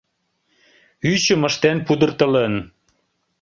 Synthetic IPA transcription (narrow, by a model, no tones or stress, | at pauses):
yt͡ɕə̆məʃt̪enpud̪ə̆rt̪əlen